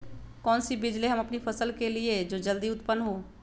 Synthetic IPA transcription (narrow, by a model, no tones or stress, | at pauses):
kɔːnsibɪd͡ʒleɦɐmɐpnipʰɐsəlkelied͡ʒoːd͡ʒəld̪iʊt̪pənːɦoː